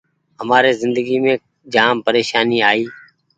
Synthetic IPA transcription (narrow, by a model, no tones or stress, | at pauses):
ɦəmaːɾeːzɪnd̪əɡiːmẽː | d͡ʒaːmpəɾeːʃaːniːaːiː